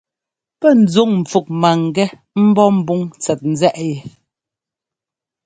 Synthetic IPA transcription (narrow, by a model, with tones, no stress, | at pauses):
pɛ˦˨n̩˨d͡zu˦˨ŋm̩˨fu˨k̚ma˨ŋ˨ɡɛ˦ | m̩˦bɔ˦m̩˦bu˦ŋt͡sɛ˨t̚n̩˨zɛ˦ʔjɛ˨